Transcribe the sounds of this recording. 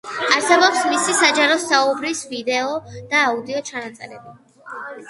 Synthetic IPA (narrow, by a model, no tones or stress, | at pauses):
aɾsɛbɔpsmisisad͡ʒaɾɔsaubɾisvid̪ɛɔd̪̥aːud̪iɔt͡ʃʰanat̪sʼɛ̰ɾɛbi